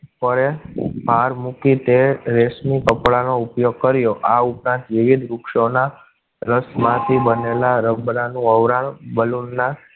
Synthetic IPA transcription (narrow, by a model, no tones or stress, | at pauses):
pəɭebʱaɾmukit̪eɾesmikəpɭanoupjoɡ̚kəɾjoʔaupɾãnt̪ʋiʋid̪ɾukʃona | ɾəsmãt̪ʰibənelaɾəbɾanũəʋɾaɽ̃bəlunːa